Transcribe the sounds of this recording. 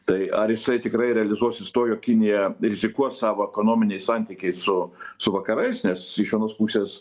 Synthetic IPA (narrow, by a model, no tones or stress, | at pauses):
t̪ɐɪɐɾjɪsɐɪt̪ʲɪkɾɐɪɾʲɛɐlʲɪzuɔsʲɪst̪oːjoːkʲkʲɪnʲɪjɛɾʲɪzʲɪkuɔssɑːʋoɛkoːnoːmʲɪnʲɛɪsɑnʲt̪ʲikʲɛɪssʊsʊʋɐkɐɾɐɪsnʲɛsɪʃʋʲiɛnoːspuːsʲeːs